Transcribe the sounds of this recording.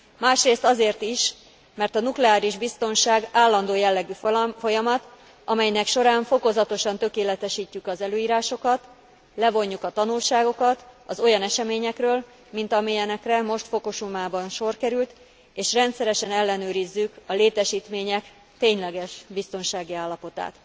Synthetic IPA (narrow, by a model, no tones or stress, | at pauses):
maːʃreːst̪ɒzeːrt̪iʃ | mɛrt̪ɒnuklɛaːɾiʒbist̪o̞nʃaːɡaːlːɒnd̪oːjɛlːɛɡyffo̞jɒmɒt̪ | ɒmɛjnɛkʃo̞ɾaːɱfo̞ko̞zɒt̪o̞ʃɒnt̪ø̞keːlɛt̪ɛʃiːcːykɒzɛløːiːɾaːʃo̞kɒt̪ | lɛvo̞ɲːukɒt̪ɒnulʃaːɡo̞kɒt̪ɒzo̞jɒnɛʃɛmeːɲɛkrøːl | mint̪ɒmijɛnɛkrɛmo̞ʃt̪fo̞ko̞ʃumaːbɒnʃo̞rkɛɾylt̪ | eːʃrɛnt̪sɛɾɛʃɛnɛlːɛnøːɾizːykɒleːt̪ɛʃiːt̪meːɲɛk | t̪eːɲlɛɡɛʃbist̪o̞nʃaːɡiaːlːɒpo̞t̪a̰ːt̪